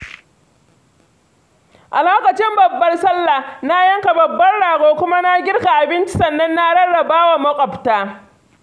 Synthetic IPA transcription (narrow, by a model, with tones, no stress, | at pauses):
ʔa˨loː˦kɐ˨t͡ʃɪ˦mbɐ˨bːɐ˦rsɐ˦lːa˨na˦jɐ˦ŋka˨bɐ˨bːɐ˦rɽaː˨ɡoː˦kʷʊ˦ma˦na˦ɡʲɪ˦rka˨ʔa˨bɪ˦nt͡ʃɪ˦sɐ˨nːɐ˦nːa˦ɽɐ˦ɽːɐ˨baː˦wa˨mɐ˦kʷʼɔ˨btaː˦